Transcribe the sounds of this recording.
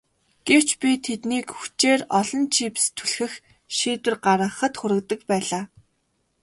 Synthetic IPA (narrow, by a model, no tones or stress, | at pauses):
ɡ̥ew̥t͡ɕpʲit̪ʰet̪niːkxu̥t͡ɕeːrɔɮɞ̆nt͡ɕʰiːpst̪ʰu̥ɮxɘ̆x | ʃiːt̪wɘ̆rɢaɾə̆χə̆t̪xʊɾɘ̆k̚t̪ə̆k̚pæːɮaː